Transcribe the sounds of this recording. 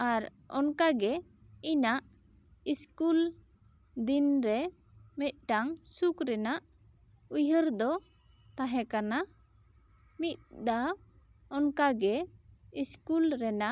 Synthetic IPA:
aɾ | ɔ̰nkaɡɛ | inaʔ | iskul | d̪inɾɛ | mɛt̪̚ˀʈaŋsukɾɛnaʔ | ujəɾd̪ɔ | t̪aɦɛ̃kana | mit̪̚d̪a | ɔnkaɡɛiskulɾɛnaʔ

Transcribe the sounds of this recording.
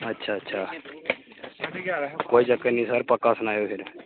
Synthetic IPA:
ɐtːɕʰaːtːʃʰa | koːid͡ʒakenisaɾpəkasnaːjofiɾ

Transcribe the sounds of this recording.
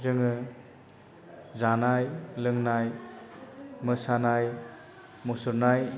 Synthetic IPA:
zɯŋɯ | zanajlɯŋnaj | mɯsanaj | musuɾnaj

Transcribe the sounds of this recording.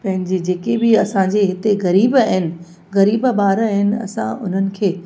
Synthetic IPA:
pɐ̃ɦɪ̃ɲ̆d͡ʑed͡ʑeːkebɪɐsãɲd͡ʑeɦɪt̪eɣɐɾiːbaɦɪnɪ̆ | ɣɐɾiːbbaːɾɦɪnɪ̆ɐ̰sã̰ʊ̰n̤ənɪ̆kʰeː

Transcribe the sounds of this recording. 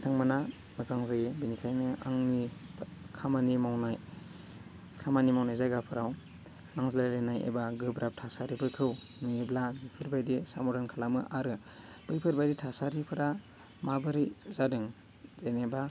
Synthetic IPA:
itʰaŋmana | mɯzaŋzajebinikʰajnɯa̰ŋni | kʰamanimawnaj | kʰamanimawnajzajɡapʰɯɾaw | naŋzallalenajḛbaɡɯbɾap̚tʰasaɾipʰɯkʰɯw | nueblabipʰɯɾbajdisa̰mɔdankʰalamɯʔaɾɯb̥ɯjpʰɯɾbajditʰasaɾipʰɯɾa | mabɯɾizadɯŋ | zajneba

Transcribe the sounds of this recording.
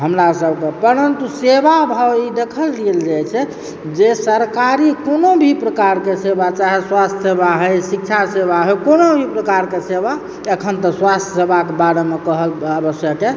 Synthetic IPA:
ɦəmɾasəbʱkepəɾənt̪usebabʱəid̪ekʰəldiəld͡ʒajt͡ʃʰɛ | d͡ʒesəɾkaɾikonobʱipɾəkaɾkesebat͡ʃaɦeswast̪ʰsebaɦəjsik̚t͡ʃʰasebaɦəjkonobʱipɾəkaɾkeseba | ekʰənt̪əswast̪ʰjəsebʱakebaɾemekəɦələbəsjəke

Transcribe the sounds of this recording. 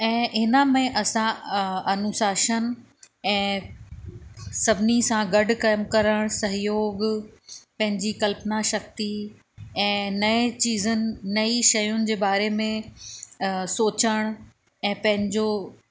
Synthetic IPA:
ɛ̃ːɦɪnəmẽʔɐsãɐnʊsaːʃən | ɛ̃ː | sɐbʱɪnisãɡɐɖkaːɪmkɐɾəɽ̃sɐɦjoːɡ | pɐ̃ɦɪ̃ɲd͡ʑikɐlpnaʃɐk̚t̪i | ɛ̃ːnɐet͡ɕiːzənɪ̆nɐiʃɐjʊnɪ̆d͡ʑeːbaːɾemẽ | soːt͡ɕəɽ̃ | ɛ̃ːpɐ̃ɦɪ̃ɲd͡ʑo

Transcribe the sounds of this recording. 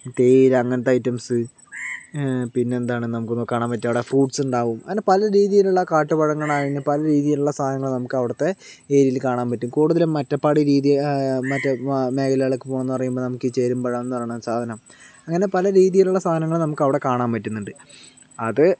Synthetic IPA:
t̪eːiɾɐŋːɐnɐt̪ːɐjtːɐmsɨ | pinːe̞ːnd̪aːɳɨnɐmukːɨnkːaːɳaːmpɐtːɐʋiɽefruːɖsuɳɖaːʋumɐ̰ɣɐnepɐlɐɾiːðijiluɭːɐkaːʈːɨbɐɻɐŋːɐɭaːɣinːɨpɐlɐɾiːðijiluɭːɐst̪ʰaːnɐŋːɐɭnɐmukːɐʋiɽɐt̪ːe̞ | eːɾijilkaːɳaːmpɐtːumkuːɽuðɐlmɐtːɐpːɐɽiɾiːðijmɐtːɐme̞ːkʰɐlɐjɐɭekːɨpo̞ːenːɨpɐrɐjumboːnɐmukːɨt͡ɕe̞ːɾumbɐɻɐmenːɨpɐrɐjɳamsaːd̪ʱɐnɐm | ɐŋːɐne̞pɐlɐɾiːðijiluɭːɐst̪aːɐnɐŋːɐɭnɐmukːɐʋiɽe̞kaːɳaːmpɐtːunːuɳɖɨɐðɨ

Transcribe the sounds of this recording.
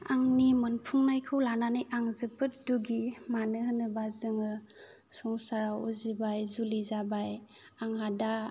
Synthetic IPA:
aŋnimɔnpʰuŋnajkʰɯwlananɯjʔaŋzɯpʰɯt̚duɡimanɯɦɯnɯbazɯŋɯ | sɔŋsaɾawuzibajzulizabaj | aŋhada

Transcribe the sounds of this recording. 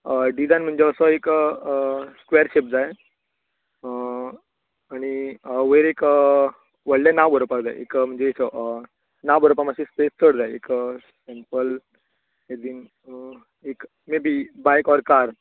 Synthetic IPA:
ɖid͡zajnm̤əɳd͡ʑeəsɔekəskʋeəɾɕep̚d͡zaj | aɽ̃iəʋəjɾekə | ʋəɽlanaʋbəɾopakd͡za̰jḛkm̤əɳd͡zesɔʔə | naʋbəɾopamaɕispest͡səɽd͡zajeksempəl | jed̪iːn | ek | mebʱibajkɔɾkaɾ

